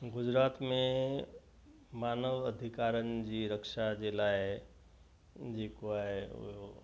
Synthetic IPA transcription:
ɡʊd͡ʑɾaːt̪mẽ | maːnəʋəd̪ʱɪkaːɾənɪ̆d͡ʑiːɾəkʃad͡ʑelaːɪ | d͡ʑeːkoaːɦeʊ̰ɦo

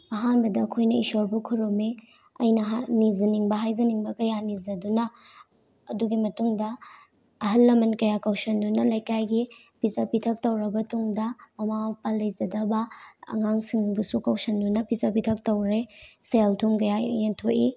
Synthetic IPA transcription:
ɐɦanbɐdɐːkʰojnɐisoɾbukʰuɾome | ɐjnɐɦanizɐniŋbɐɦajzɐniŋbɐkɐjanizɐdunɐː | duɡimɐtuŋdɐ | ɐɦɐlːɐmɐnkɐjakawsɐndunɐlɐjkajɡi | pizapitʰɐk̚tɐwɾɐbɐtʰuŋdɐmɐmapalːɐjzɐdɐbɐɐ̰ŋaŋsiŋbusukawsɐndunɐpizapitʰɐk̚tɐwɾeseltʰumkɐjajentʰoʔi

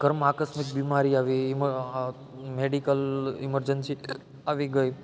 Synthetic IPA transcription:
ɡ̥ʱəɾmakəsmik̚bimaɾiaʋiːm | meɖikəlḭməɾd͡ʒənsi | aʋiɡəj

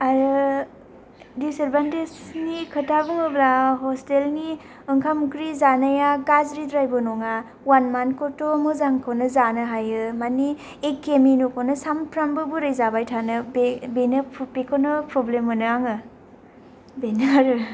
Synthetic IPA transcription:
aɾɯ | diseɾbantesnikʰɯtabuŋɯbɾaɦɔstelni | ɯŋkʰamkɾizanajaɡazɾidɾajbɔnɔŋa | wanmankɔtomɯzaŋkʰownɯzanɯɦajɯmani | ekːeminukʰownɯsampʰɾambɯbuɾɯjzabajtʰanɯbebenɯpʰpekʰonɯpɾɔblemːɯnɯaŋɯ | benɯɾɯ

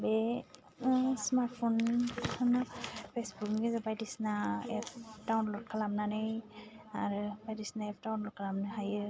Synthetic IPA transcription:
bɛ | smaɹtpʰonnapʰesbukmɡizabajdisnaɛptawnlɔt̚kʰalamnanɯj | a̰ɹbajdisnaɛp̚ʰtawnlɔt̚kʰalamnhaji

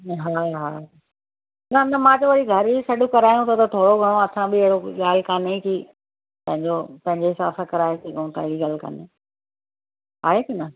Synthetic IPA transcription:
ɦaːɦaː | nɐnɐmãːd͡ʑoʋɐɾiɡʱɐɾisɐɗũkɐɾaːjũt̪ɐt̪ɐt̪ʰoːɽoɡʱɐɽ̃õɐsãbɪɪɦɪɽoɠaːl̤kaːneki | p̪ɐ̃ɦɪ̃ɲd͡ʑopɐ̃ɦɪ̃ɲd͡ʑeɦɪsaːfakɐɾaːekiɡʱɐũt̪ʰaɪɪɽiɡaːlka̰ːne | a̰ːekɐnɐ

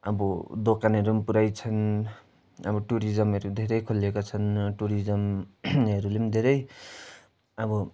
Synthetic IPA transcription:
ʌbʌd̪okanʌɾumpuɾajt͡sʰʌn | ʌ̰bʌʈuɾid͡zʌmɦʌɾud̪ʱeɾʌjkʰulekot͡sʰʌnʈuɾid͡zʌmɦʌɾulemd̪ʱeɾʌj | ʌbʌ

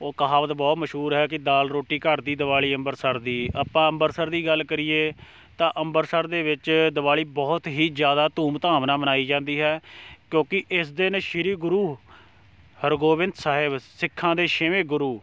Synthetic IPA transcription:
oːkəɦaːʋət̪bɔːt̪məʃɦuːɾɦɛːkɪd̪aːlɾoːʈiːkəɾd̪iːd̪əʋaːɭiːəmbəɾsəɾd̪iːaːpãːəmbəɾsəɾd̪iːɡəlːkəɾiːeː | t̪ãːʔəmbəɾsəɾd̪eːʋɪt͡ʃd̪əʋaːɭiːbɔːt̪ɦiːd͡ʒjaːd̪aːt̪ũːmt̪aːmnaːmənaːiːd͡ʒãːnd̪iːɦɛːkjõːkɪʔɪsd̪ɪnʃɪɾiːɡʊɾuː | həɾɡoːʋɪ̃nd̪saːɦɪbsɪkʰːãːd̪eːʃɪʋẽːɡʊɾuː

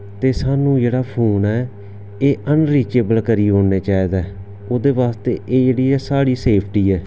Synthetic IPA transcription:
t̪eːsaːnũːd͡ʒeːɽaːpʰoːnɛː | eːʔənɾiːt͡ʃeːbəlkəɾiːɦoːeːt͡ʃaːiːd̪aː | oːd̪eːʋaːst̪eːʔeːd͡ʒeːɽiːɛːsaːɽiːseːpʰʈiːɛː

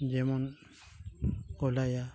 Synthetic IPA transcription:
d͡ʒemɔn | kɔlaja

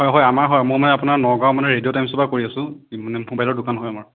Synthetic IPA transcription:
ɦɔjɦɔjamaɹɦɔjamojmanɛapʊnaɹnɔɡawmanɛɹediotajmsɔbakoɹiasʊ̃manɛɦũmbajlɔɹdʊkanɦojamaɹ

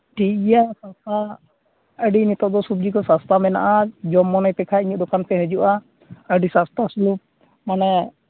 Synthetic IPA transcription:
ʈʰikɡɛjasast̪ʰa | əɖinit̪ɔd̪ɔsub̚d͡ʒikɔsast̪ʰamɛna̰ʔad͡ʒɔmːɔnajpɛkʰaiɲud̪ɔkanpɛɦəd͡ʒuʔa | əɖisast̪ʰasulup̚ | manɛ

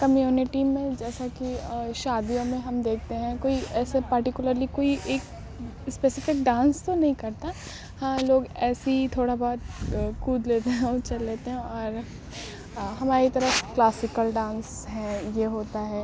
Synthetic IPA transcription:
kɐmjuːnɪʈimẽd͡ʒɛːsakiʃaːd̪ijõmẽɦɐmd̪eːk̚ʰt̪eɦɛ̃koːiɛːsepɐɾʈɪkjʊləɾlikoːiʔeːk | speːsɪfɪkɖãːnst̪onɐɦĩkɐɾt̪a | hãːloːɡɛːsit̪ʰoːɽabɔːt̪̚kuːd̪leːt̪eɦɛ̃ot͡ʃɐlːeːt̪eɦɛ̃ɔːɾ | ɦɐmaːɾit̪ɐɾəfklaːsɪkəlɖãːns | ɦɛ̃jeɦoːt̪aɦɛː

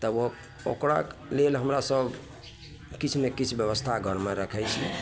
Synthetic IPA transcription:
t̪əbo | o̰kɾa̰klelɦəmɾasəb | kit͡ʃʰnekit͡ʃʰbjəbəst̪ʰaɡəɾmeɾəkʰɛjt͡ʃʰi

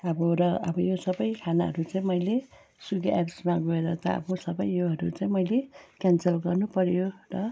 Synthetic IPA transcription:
ʌbʌɾʌʌ̰bʌjosʌbʌjkʰanaɦʌ̰ɾut͡saĩmʌjle | suɡeʔapsmaɡoeɾʌt̪ʌʌ̰bʌsʌbʌjːoɦʌɾut͡saĩmʌjlekansʌlɡʌrnupʌɾjorʌ

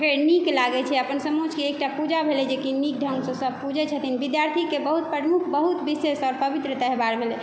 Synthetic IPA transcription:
keniklaɡɛt͡ʃʰɛəpənsəmod͡ʒkeːk̚ʈapud͡ʒabʱelɛd͡ʒekinik̚ɖʱəŋɡsə̃səb̚ʱpud͡ʒɛt͡ʃʰət̪inbid̪jaɾt̪ʰikebəɦut̪̚pəɾmukʰbəɦut̪bisesɔɾpəbit̪ɾət̪ɛɦbaɾbʱelɛ

